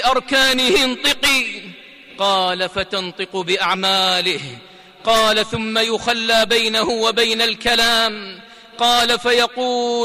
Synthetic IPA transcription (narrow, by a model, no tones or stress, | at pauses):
ʔɑɾˤkaːnɪhɪnt̪ˤɨqiː | qɑːlafat̪ɑnt̪ˤɨqʊbɪʔaʕmaːlɪh | qɑːlaθʊmːajʊxalːaːbajnahʊwabajnalkalaːm | qɑːlafajɑquː